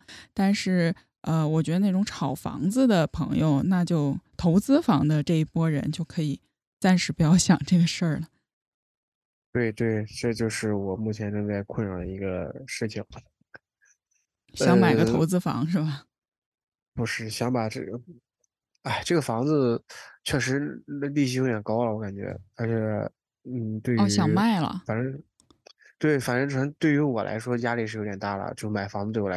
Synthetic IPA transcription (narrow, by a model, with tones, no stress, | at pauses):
t̪a˥˧nʂɻ̩˥˩ | ə˧wɔ˨˩t͡ɕɥɛ˧˥d̪ə˧na˥˩ʈ͡ʂʊ˧˥ŋʈ͡ʂʰɑ˨˩ʊfɑ̰˧˥ŋd͡zɹ̩˧d̪ə˨pʰɤ̰˧˥ŋjo˧ʊna˥˧t͡ɕjo˥˩ʊt̪ʰo˧˥ʊt͡sɹ̩˥fɑ˧˥ŋd̪ə˧ʈ͡ʂɤ˥˩i˥˩pwɔ˥ɻə̰˧˥nt͡ɕjo˥˩ʊkʰɤ˧˥i˨˩ | t͡sa˥˧nʂɻ̩˧˥˩pu˧˥jɑ˥˩ʊɕjɑ̰˨˩ŋʈ͡ʂɤ˥˩ɡə˩ʂə˥˩lə˩ | t̪we˥˧ɪt̪we˥˩ɪʈ͡ʂɤ˥˧t͡ɕjo˥˧ʊʂɻ̩˥˩wɔ˨˩mu˥˩t͡ɕʰjɛ˧˥nʈ͡ʂɤ˥˧ŋt͡sa˥˧ɪkʰwə˥˧nɻɑ˨˩i˧˥ɡə̰˧ʂɻ̩˥˩t͡ɕʰi˨˩ŋ | ɕɑ˧˥ŋma˨˩ɪɡəo˧˥ʊt͡sɹ̩˥˧fɑ̰˧˥ŋʂɻ̩˥˩bɐ˩ | pu˧˩ʂɻ̩˥˩ɕjɑ˧˥ŋpa˨˩ʈ͡ʂɤ˥˩ɡə˩ | a˥˩ɪʈ͡ʂɤ˥˩ɡə˩fɑ˧˥ŋd͡zɹ̩˧t͡ɕʰɥɛ˥˩ʂɻ̩˧˥ə˧li˥˧ɕjo˧˥t̪jɛ˨˩nkɑ˥ʊlə˨wɔ˧˥ka˨˩nt͡ɕɥɛ̰˧˥ə˧˥t͡ɕʰjɛ˨˩ | n̩˥˩t̪we˥˩˥ɕjɑ˨˩˥ma˥˩ɪlə̰˩fa˨˩nə˧˥ | t̪we˥˩ɪfa˨˩nʈ͡ʂə˧˥ʈ͡ʂt̪we˥˩ɪy˧˥wɔ˨˩lʔa̰˧˥ɪʂwɔ˥t͡ɕja˥li˨˩ʂ̬ɻ̩˥˩jo˧˥t̪jɛ˨˩nt̪a̰˥˩lə̰˩t͡ɕjo˥˧ʂma˨˩ɪfɑ˧˥ŋd͡z̩̪˧we˥˩w